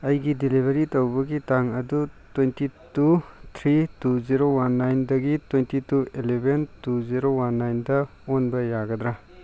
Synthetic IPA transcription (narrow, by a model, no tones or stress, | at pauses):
ɐjɡidilibʱɐɾitɐwbɐɡitaŋɐdutwentitutʰɾituziɾowanːajndɐɡitwentituelebʱentuziɾowanːajndɐ | onbɐjaɡɐd̪ɾa